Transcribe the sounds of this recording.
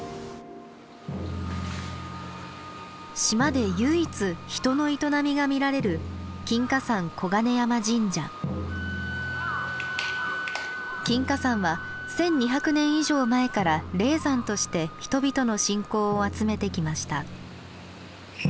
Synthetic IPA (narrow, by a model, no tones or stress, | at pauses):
ɕimad̪e̞jɯːit͡sɨçi̥t̪o̞no̞it̪o̞namʲiɡamʲiɾaɾe̞ɾɯ̟kʲĩŋkasãŋkʰo̞ɡane̞jamad͡ʑĩɲd͡ʑã̰ | kʲĩŋkasãɰ̃βa | sẽ̞ɲ̟ːiçʲakɯ̟nẽ̞ɰ̃iʑo̞ːmae̞kaɾaɾe̞ːzãnt̪o̞ɕi̥t̪e̞çi̥t̪o̞bʲit̪o̞no̞ɕĩŋko̞ːat͡sɨme̞t̪e̞kʲimaɕi̥t̪a